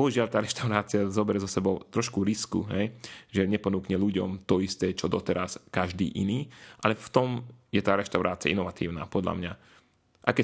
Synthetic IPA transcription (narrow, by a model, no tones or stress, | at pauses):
ɔɦuʒɪaʎt̪aːɾɛʃt̪aʊɾaːt͡siazɔbɛɾɛzɔsɛbɔʊt̪ɾɔʃkuɾiskṵɦɛjʒɛɲɛpɔnuːkɲɛluɟɔ̰mt̪ɔist̪ɛːt͡ʃɔd̪ɔt̪ɛɾaskaʒd̪ḭːʔḭniːʔalɛft̪ɔmjɛt̪aːɾɛʃt̪aʊɾaːt͡sia̰inɔʋat̪ḭːʊna̰ːpɔd̪la̰mɲa | ʔa̰kɛ